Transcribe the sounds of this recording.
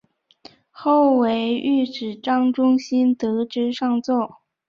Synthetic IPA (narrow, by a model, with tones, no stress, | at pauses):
xo˥˩ʊwe˧˥ɪy˥˩ʈ͡ʂɻ̩˨˩ʈ͡ʂɑ˥ŋʈ͡ʂʊ˥ŋɕi˥nt̪ɤ˧˥ʈ͡ʂɻ̩˥ʂɑ˥˧ŋt͡swɔ˥˩